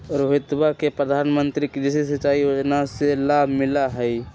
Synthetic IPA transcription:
ɾoɦɪt̪wakepɾəd̪ʱaːnmə̃nt̪ɾikid͡ʒɪsisɐt͡ʃːaːijod͡ʒnaselaːbʱmɪlaɦɛi

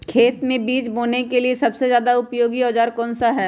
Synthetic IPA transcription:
kʰeːt̪mẽbiːt͡ʃboːnekeliesɐbsezjaːd̪aʊpjoːɡiɔːd͡ʒaːɾkɔ̃ːnsaɦɛː

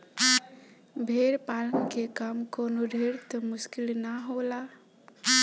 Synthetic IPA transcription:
bʱeɾpalənkekamkonoɖʱeɾt̪ɔmuskilnaɦola

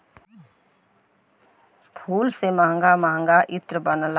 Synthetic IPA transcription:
pʰuːlseməɦə̃ŋɡaməɦə̃ŋɡaʔɪt̪ɾəbənəl

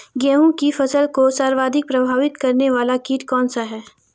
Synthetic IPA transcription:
ɡɛːɦũkifɐsəlkosaːɾʋaːd̪ʱɪk̚pɾɐbʱaːʋɪt̪kɐɾneʋaːlakiːʈkɔːnsaɦɛː

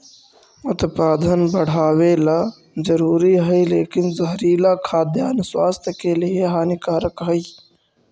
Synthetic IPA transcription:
ʊt̪paːd̪ʱənbəɽ̤aːwelaː | zəɾuːɾiɦəileːkɪnzɐɦɾiːlaːkʰaːd̪jaːnswaːst̪ʰjəkelieɦaːnɪkaːɾəkɦəi

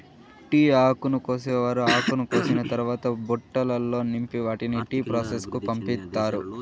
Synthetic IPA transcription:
ʈiːaːkunukoːseːʋaːɾuaːkunukoːsinɐt̪ɐɾuʋaːt̪ɐbuʈːɐlɐlːo̞ːnimpiʋaːʈiniʈiːpɾaːseskupɐmpit̪ːaːɾu

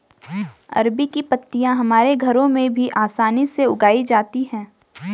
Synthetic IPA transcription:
ɐ̰ɾbikipɐt̪ːijãɦɐmaːɾeɡʱɐɾõmẽbʱiʔaːsaːniseʊɡaːid͡ʒaːt̪iɦɛ̃ː

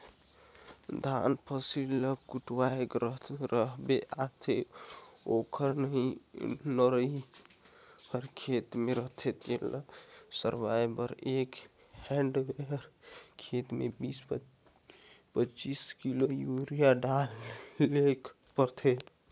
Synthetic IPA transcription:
d̪ʱa̰npʰəsiləkkuʈwaekɾəɾəɦbeʔat̪ʰe | okʰəɾnəɦĩnəɾəi | həɾkʰet̪meɾəɦt̪ʰet̪elə̰səɾbajbəɾek | hɛ̃ɳɖeɾkʰet̪mebis | pət͡ʃiskilojuɾijaɖalek | pəɾt̪ʰe

